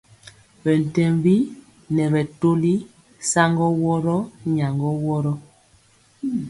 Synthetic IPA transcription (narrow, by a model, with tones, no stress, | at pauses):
bɛ˨n̩˨tɛ˦mbi˦ | nɛ˨βɛ˨to˦li˦ | sa˦ŋɡɔ˦wɔ˦ɾɔ˦ɲa˨ŋɡɔ˦wɔ˦ɾɔ˦